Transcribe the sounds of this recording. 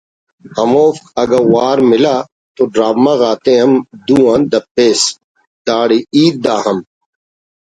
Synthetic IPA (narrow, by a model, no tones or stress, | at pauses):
hɐmoːfkɐɡɐwaːɾmɪlaː | t̪oɖɾaːʋmɐɣaːt̪ẽɦɐmd̪ũːãnd̪ɐpːeːs | d̪aːɽiiːt̪̚d̪aːhɐm